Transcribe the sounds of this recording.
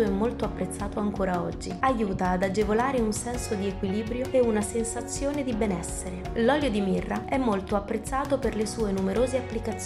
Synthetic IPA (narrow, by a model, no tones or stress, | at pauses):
oɛmːolt̪oapːɾet̪sːaːt̪oaŋkoːɾaɔ̰d͡ʒːiajːuːt̪aːd̪ad͡ʒevolaːɾeunsɛnsod̪iekwiliːbɾjoeunasensat̪sːjoːned̪ibɛnɛsːeɾelɔljod̪imirːaɛmːolt̪oapːɾet̪sːaːt̪operlesuːenumeɾoːzeapːlikat̪s